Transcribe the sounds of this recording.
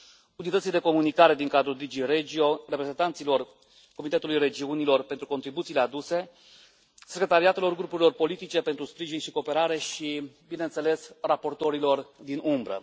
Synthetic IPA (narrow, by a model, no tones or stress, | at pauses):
unit̪ət̪sijd̪e̞ko̞munikaɾe̞d̪iŋkad̪ɾuld̪id͡ʒiɾed͡ʒio̞re̞pɾe̞zent̪ant̪silo̞r | ko̞mit̪e̞t̪ulujre̞d͡ʒiunilo̞rpe̞nt̪ɾuko̞nt̪ɾibut̪sile̞ad̪use̞ | sekɾe̞t̪aɾiat̪e̞lo̞rɡɾupuɾilo̞rpo̞lit̪it͡ʃe̞pent̪ɾuspɾiʒinʃiko̞ːpe̞ɾaɾe̞ʃibine̞nt̪se̞le̞srapo̞rt̪o̞ɾilo̞rd̪inʔumbɾə̰